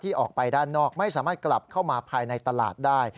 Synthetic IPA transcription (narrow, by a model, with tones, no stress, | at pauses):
t̪ʰiː˥˩ʔɔː˨˩k̚pa˧jdaː˥˩nːɔː˥˩k̚ma˥˩jsaː˩˦maː˥˩t̪̚kla˨˩p̚kʰa˥˩wmaː˧pʰaː˧jna˧jt̪a˧la̰ː˨˩t̪̚daː˥˩j